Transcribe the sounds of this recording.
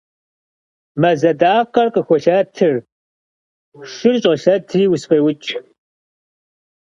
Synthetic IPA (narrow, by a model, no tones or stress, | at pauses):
mɐzɐdaːqɐrqəxʷɔɬaːtʰɨr | ʃɪrɕʼʁəɬɐtʰɨriːwʊsfɐwʊt͡ʃʼ